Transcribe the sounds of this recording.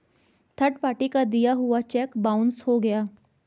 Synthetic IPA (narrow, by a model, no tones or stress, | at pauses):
t̪ʰɐɾʈpaːʈikad̪ijaɦʊat͡ʃɛːkbaːʊ̃nshoɡɐjaː